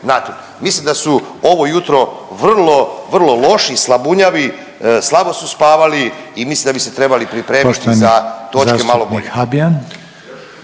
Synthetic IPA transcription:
nat̪om | mislimd̪asuo̞ʋo̞jut̪ɾo̞ʋr̩lˠo̞ʋr̩lˠo̞lo̞ʃislabuɲaʋi | slˠabo̞suspaːʋaliimislimd̪abiset̪ɾe̞balipɾipɾe̞ːmit̪izat̪o̞kemalobohabian

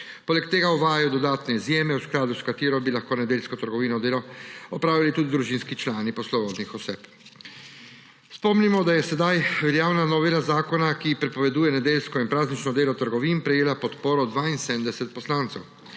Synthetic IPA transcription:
poːlɛkt̪eːɡauʋaːjajɔd̪ɔd̪aːt̪nɛizjeːmɛwsklaːd̪uskat̪iːɾɔbilaxkoːnɛd̪eːlskɔt̪əɾɡɔʋiːnɔd̪eːlɔɔpɾaːʋilit̪ud̪id̪ɾuʒiːnskit͡ʃlaːnipɔslɔbɔːd̪nixɔseːp | spɔmnimɔd̪ajɛsɛd̪ajʋɛɾjaːwnanɔʋilazaːkɔnakipɾɛpɔʋɛd̪uːjɛnɛd̪eːlskɔinpɾaːznit͡ʃnɔd̪eːlɔt̪əɾɡɔʋiːnpɾɛjeːlapɔt̪poːɾɔd̪ʋaːinsed̪md̪ɛsɛt̪̚pɔslaːnt̪sɛw

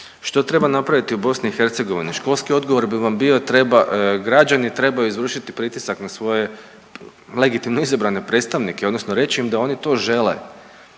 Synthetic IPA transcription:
ʃt̪o̞t̪ɾe̞banapɾaʋit̪iubo̞sniixe̞ɾt̪se̞ɡo̞ʋḭniʃko̞lˠskio̞d̪ɡo̞ʋo̞ɾbiʋambio̞t̪ɾe̞baɡɾad͡ʑanit̪ɾe̞bajuizʋr̩ʃit̪ipɾit̪isaknasʋo̞je̞ | le̞ɡit̪imno̞izabɾane̞pɾe̞ːt̪st̪aʋnikeod̪no̞snoɾe̞t͡ɕiimd̪ao̞nit̪o̞ːʒe̞le̞̰

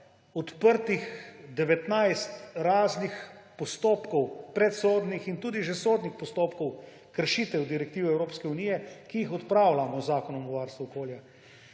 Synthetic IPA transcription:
ɔt̪pəɾt̪ixd̪ɛʋɛt̪najst̪ɾaːznixpɔst̪oːpkɔwpɾɛt̪soːd̪nixint̪uːd̪iʒɛsoːd̪nixpɔst̪oːpkɔw | kəɾʃit̪ɛwd̪iɾɛk̚t̪iːʋiɛwɾoːpskɛunijɛkijixɔt̪pɾaːwlamɔzaːkɔnɔmɔʋaːɾst̪ʋuɔkoːlja

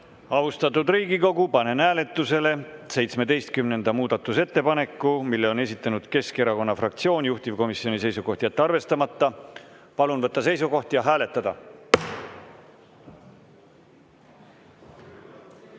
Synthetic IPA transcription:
ɑvust̪ɑt̪ːˑud̪riːɡiko̞ɡ̥upɑne̞næːle̞t̪ːˑuse̞le̞se̞jt̪sme̞d̪e̞jst̪̚kymne̞nd̪̥ɑmuːd̪̥ɑt̪ːˑuse̞t̪ːe̞pɑne̞kːˑumilːe̞o̞ne̞sʲit̪ˑːɑnud̪̥ke̞ske̞ɾɑko̞nːɑfrɑk̚t̪sio̞ːnjuht̪ivko̞misio̞nise̞jsuɡo̞ht̪ijɑt̪ːeɑrve̞st̪ɑmɑt̪ːɑ | pɑlunvɤt̪ˑːɑse̞jsuko̞ht̪jɑɦæːle̞t̪ːˑɑd̪̥ɑ

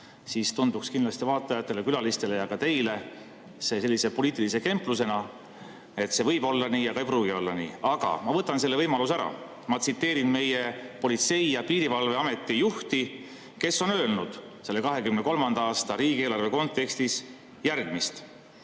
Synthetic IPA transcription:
sist̪und̪̥ukskinlɑst̪ivɑːt̪ˑːɑjɑt̪ːˑe̞le̞kylɑlist̪e̞le̞jɑkɑt̪e̞jle̞ | se̞ːs̬e̞lːise̞po̞liːt̪ːˑilise̞ke̞mpˑlus̬e̞nɑ | e̞t̪se̞vɤjbo̞lːɑniːjɑkɑejpɾuːɡ̥io̞lːɑnḭːɑɡ̥ɑ̰mɑvɤt̪ːˑɑnse̞lːe̞vɤjmɑlusæɾɑ̰ | mɑt̪sit̪ːe̞ːɾinme̞je̞po̞lʲit̪se̞jjɑpiːɾivɑlve̞ɑme̞t̪ːˑijuht̪i | ke̞sːo̞nø̞ːlnud̪̥ | se̞lːe̞kɑɦe̞kymneko̞lmɑnd̪̥ɑɑːst̪ɑɾiːɡ̥ie̞ːlɑrve̞ko̞nt̪ːe̞kst̪is | jærɡ̥mist̪

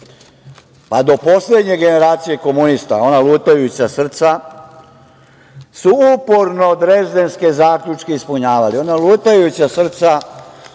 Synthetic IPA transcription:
pad̪o̞po̞slʲed̪ɲe̞ɡe̞ne̞ɾaːt̪sije̞ko̞munist̪a̰o̞naluːt̪ajut͡ɕasr̩t̪sa | suupoɾno̞d̪ɾe̞zd̪e̞nske̞zaːkʎʲut͡ʃke̞ispuɲaːʋalio̞nalˠuːt̪ajut͡ɕasr̩t̪sa

